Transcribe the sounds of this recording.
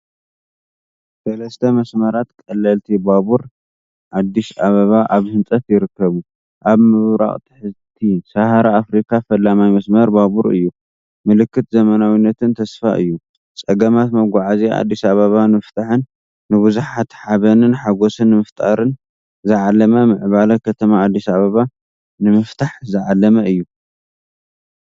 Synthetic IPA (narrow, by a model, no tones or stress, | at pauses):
sɐlɐst̪ʰɐmɐsmɐɾat̪kʼɐlːɐlt̪ʰibaβuɾ | ʔad̪ːiʃaβɐβaʔaβhɨnt͡sʼɐt̪jɪɾɨkːɐβu | ʔaβmɨβɾa̰χʼt̪ʰɨ̥ħɨzt̪ʰisahaɾaafɾikʰafɐlːamajmɐsmɐɾbaβuɾɨ̰jːu | mɨlɨkːɨt̪zɐmɐnawinːɐt̪ɨnt̪ʰɐsfa̰ʔɨ̰jːu | t͡sʼɐɡɐmat̪mɐɡʷaʕazia̰d̪ːisaβaβanɨmɨft̪ʰaħɨnː | ɨβɨzuħat̪ħaβɐnɨnħaɡosɨnːɨmɐft̪ʼaɾɨn | zɨʕalːɐmɐmɨʕβalɐkʰɐt̪ʰɐmaad̪ːisaβaβa | nɨmɐft̪ʰaħzɨʕalːɐmɐɨjːu